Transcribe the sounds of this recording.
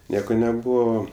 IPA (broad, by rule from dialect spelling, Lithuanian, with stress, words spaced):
ˈnʲiɛkoː nʲɛˈbuːʋoː